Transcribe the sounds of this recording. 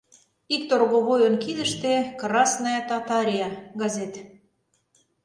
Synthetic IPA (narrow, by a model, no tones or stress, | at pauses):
ik̚t̪orɣoβojonkid̪ə̆ʃt̪ekrɑsnɑjɑt̪ɑt̪ɑɾʲijɑɣɑzet̪